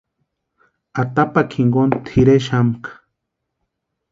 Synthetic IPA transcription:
at̪apakʰiŋɡont̪ʰiɾeʃamkʰḁ

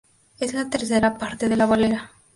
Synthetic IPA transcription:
ezlat̪eɾθeɾapaɾt̪eð̞elaβaleɾa

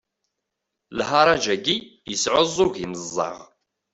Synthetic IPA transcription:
lɦɑɾˤɑd͡ʒæɡijəsʕozˤːʊʝiməzˤːɑ̰ʁ

